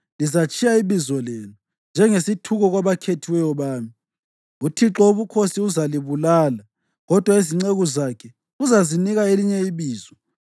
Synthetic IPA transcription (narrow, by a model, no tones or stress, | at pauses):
lizat͡ʃʼijaiβizɔleːnu | nd͡ʒʱɛŋesitʰuɣɔɣwaβakʰetʰiwɛjɔβaːmi | utʰiǁɔuβukʰosiuzaliβulaːla | ɣɔd̥ʱwaiziŋ͡ǀeɣuzakʰɛ | uzaziniɣaeliɲɛiβiːzɔ